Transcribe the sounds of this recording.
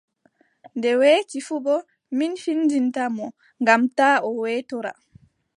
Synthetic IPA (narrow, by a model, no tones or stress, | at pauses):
ndɛweːkifubɔ | minfindintamɔ | ŋɡamtaːɔwɛːtɔɾa̰